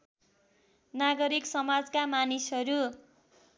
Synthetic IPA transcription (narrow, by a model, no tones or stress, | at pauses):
naɡʌɾiksʌmad͡zkamanisɦʌɾu